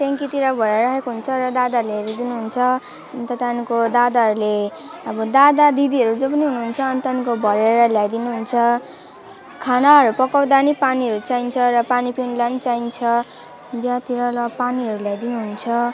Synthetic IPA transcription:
t̪jaŋkit̪iɾabʱʌɾeɾɾakekoɦunt͡sʰʌrʌd̪ad̪aɾuleʌɾud̪inuɦunt͡sʰʌ | ʌnt̪ʌt̪anikod̪ad̪aɦʌɾule | ʌbʌd̪ad̪ad̪id̪iʌɾud͡zopʌniɦunuɦunt͡sʰʌːnt̪anikobʱʌɾeɾʌljajd̪inuɦunt͡sʰʌ | kʰanaɦʌɾupʌkawd̪anipaniɦʌɾut͡saint͡sʰʌɾʌpanipinlanit͡saint͡sʰʌ | bjat̪iɾʌlʌpaniɦʌɾuljajd̪inuɦunt͡sʰʌ

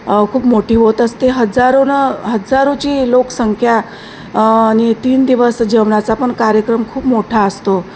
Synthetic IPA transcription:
kʰuːpmoʈiːʋɦot̪əst̪eɦəd͡zaɾonəɦəd͡zaɾut͡ɕiːloksəŋkʰja | añit̪iːnd̪iʋəsd͡ʑəʋɳat͡sapəɳkaɾjəkɾəmkʰuːpmoʈʰaəst̪o

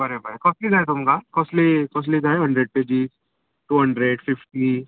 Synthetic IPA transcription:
bɐɾebʱəɾekɔːslid͡ʒaːet̪ʊmkakɔːslikɔːs̬lid͡ʒaːeɦɐ̃ɳɖɾeɖ̚peːd͡ʒis | ʈuːɦɐ̃ɳɖɾeɖfɪfʈi

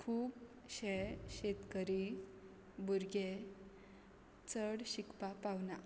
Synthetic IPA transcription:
kʰuːb | ɕɛɕet̪kəɾi | buɾɡe | t͡səɽɕikpapawna

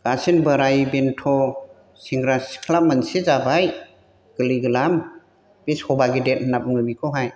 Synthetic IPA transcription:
ɡasinbəɾajbentʰɔ | siŋɡɾaskʰlap̚mansezabaj | ɡ̥ɯliɡɯlam | b̥ishɔbaɡidet̚nap̚ŋɯbikʰɔɦaj

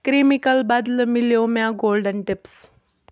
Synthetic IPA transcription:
kɾimikəlbad̪ləmiljomaɡolɖənʈips

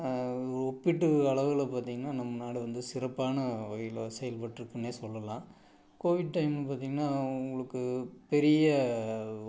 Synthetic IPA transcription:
ɾɔpːɪʈːɯɐɭɐʋɪlɐpaːɾt̪ĩŋɡɐnːaːnɐmːɐnaːɽiʋɐnd̪ɯsɪɾɐpːaːnɐʋɐɣɐjɪlɐsɛjɐlpɐʈːɪɾɯkːɐɳːeːsɔlːɐlãː | koːʋɪɖ̚ʈɐɪmlɐpaːɾt̪iːŋɡɐnːaːʊŋɡɐɭɯkːɯpɛɾɪjɐ

